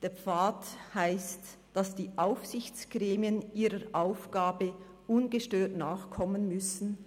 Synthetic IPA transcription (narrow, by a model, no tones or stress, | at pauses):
d̥eːɐp͡faːthaɪst | d̥asd̥iːʔaʊfsɪçt͡sɡ̥ʁɛːmiəniːɾəʔaʊfɡ̥aːbə | ʔʊnɡəʃtøːtnaːχkʰɔmənmʏsn̩